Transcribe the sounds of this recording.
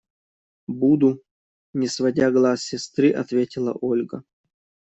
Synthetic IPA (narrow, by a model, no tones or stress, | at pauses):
bud̪u | nʲɪsvɐdʲaɡlˠasʲsʲɪst̪ɾɨʔɐt̪vʲetʲɪlˠə̰ʔolʲɡə